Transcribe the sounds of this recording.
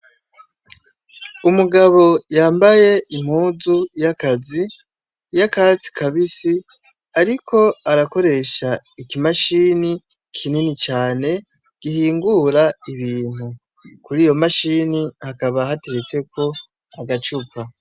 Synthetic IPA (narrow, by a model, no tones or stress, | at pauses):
umuɡaβo̞jaːmbaje̞ʔim̥huːzujakazi | jakat͡si̥kʰaβisi | aɾikʰo̞aɾako̞ɾe̞ʃa | ikimaʃiːni | kʰininit͡ʃaːne̞ | ɡ̥ihiːŋɡuɾaiβiːn̥u | kuɾiːjo̞maʃiːnihakaβahateɾet͡se̞kʰo̞ | aɡat͡ʃupa